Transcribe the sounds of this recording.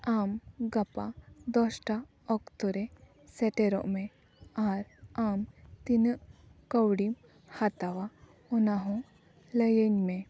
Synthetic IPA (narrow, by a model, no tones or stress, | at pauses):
amɡɐpad̪ɔsʈa | ɔkt̪ɔɾe | seʈeɾɔ̰ʔme | aɾamt̪inəʔkəwɽim | hat̪aʋa | ɔnaɦɔ̃ | ləjəɲme